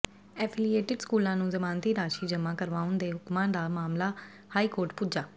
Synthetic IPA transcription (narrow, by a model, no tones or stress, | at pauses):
ɛːpʰɪlieːʈɪɖskuːlãːnũːzəmaːnt̪iːɾaːʃiːd͡ʒəmãːkəɾʋaːʊ̃nd̪eːɦʊkmãːd̪aːmaːmlaː | haːiːkoːɾʈpud͡ʒaː